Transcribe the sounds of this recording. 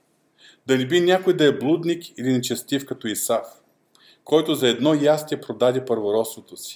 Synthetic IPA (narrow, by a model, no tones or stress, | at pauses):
d̪ɐlɛbinʲakojd̪ɐɛblˠud̪nikilinɛt͡ʃɛst̪ifkɐt̪ɔisaf | kʰɔjt̪ʊzɐɛd̪nɔjast̪ʲɛpɾod̪ad̪ɛpəɾvoɾɔsvot̪osi̥